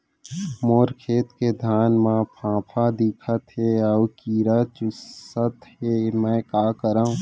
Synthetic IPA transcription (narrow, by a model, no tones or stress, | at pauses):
moːɾkʰeːt̪ked̪ʱaːnmãpʰãːpʰad̪ikʰət̪ɦeɔwkiːɾat͡ʃʊsət̪ɦemɛ̃ːkaːkəɾaːũ